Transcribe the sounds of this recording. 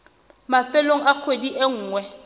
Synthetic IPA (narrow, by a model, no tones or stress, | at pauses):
mafɛloŋ̩ak͡xʰwediʔeŋ̩ːŋwɛ